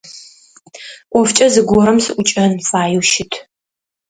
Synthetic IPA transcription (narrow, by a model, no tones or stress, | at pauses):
ʔʷɔft͡ʃʼɐzɨɡʷɔɾɐmsɨʔʷʊt͡ʃʼɐnfaːjuwʃɪtʰ